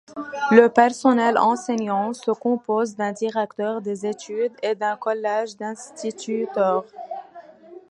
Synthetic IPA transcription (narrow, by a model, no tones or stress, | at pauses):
ləpɛʁsɔnɛlɑ̰̃seɲɑ̃səkɔ̃pozd̪ɛ̃d̪iʁɛkt̪œʁd̪ezet̪yd̪ed̪ɛ̃kɔlɛʒd̪ɛ̃st̪it̪yt̪œːʁ